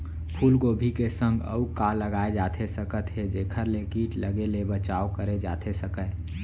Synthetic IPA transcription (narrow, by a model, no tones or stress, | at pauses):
pʰuːlkobʱikesə̃ŋɡə̰ukalːəɡaːed͡ʒat̪ʰesəkət̪ɦed͡ʒeːkʰəɾlekiːʈləɡelebət͡ʃaokəɾed͡ʒa̰t̪ʰesəkə